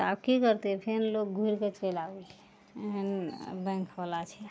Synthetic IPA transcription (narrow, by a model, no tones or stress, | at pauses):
t̪ab̚kikəɾt̪epʰenlok̚ɡʱuiɾket͡ʃelaui | eɦənbə̃ŋkʰɦɔlat͡ʃʰɛ